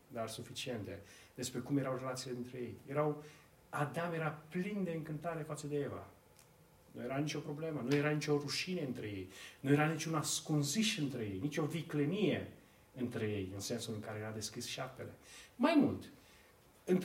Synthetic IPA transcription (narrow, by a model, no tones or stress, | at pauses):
d̪arsufit͡ʃie̞nt̪e̞d̪̥e̞spɾe̞kumje̞ɾawre̞lat̪siled̪int̪ɾe̞je̞jje̞ɾaw | ad̪amje̞ɾaplind̪e̞ɨŋkɨnt̪aɾe̞fat̪səd̪e̞eva̰ | nṵje̞ɾanit͡ʃo̞pɾo̞ble̞mənuje̞ɾanit͡ʃʲoruʃineɨnt̪ɾe̞je̞jnuje̞ɾanit͡ʃʲunaskunziʃɨnt̪ɾe̞je̞jnit͡ʃʲo̞viklenije̞ | ɨnt̪ɾe̞je̞jɨnse̞nsulɨŋkaɾe̞jead̪e̞skʲisʃape̞le̞majmult̪ | ɨnt̪